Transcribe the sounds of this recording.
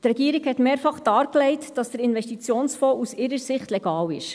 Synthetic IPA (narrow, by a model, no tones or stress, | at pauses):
tɾɛɡiːɾiɡhɛtmeːɾfɑχd̥ɑːɾklɛɪtd̥ɑsd̥əɾɪnʋɛʃtit͡sjoːnsfɔːʔusɪɾəɾsɪχtlɛɡɑːwɪ̰ʃ